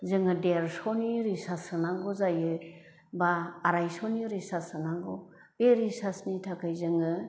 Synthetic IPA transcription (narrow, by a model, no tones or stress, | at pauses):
zɯŋɯdeɾsɔniɾisasɯnaŋɡɔzajɯ | baːɾajsɔniɾisasɯnaŋɡɔ | b̥eɾisasnitʰakʰajzɯŋɯ